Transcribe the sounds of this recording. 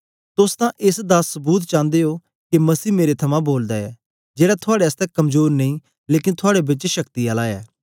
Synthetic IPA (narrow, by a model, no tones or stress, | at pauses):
t̪ʊst̪ãːʔɪsd̪aːsːəbuːt̪̬t͡ʃãːnd̪eːɦoː | kemɐsiːmeːɾet̪ʰɐmãːboːld̪aːɛː | d͡ʒeːɽat̪ʰʊaːɽeəst̪ɛːkɐmzoːɾnəĩː | leːkɪnt̪ʰʊaːɽebɪt͡ʃʃəkt̪iaːlaːɛː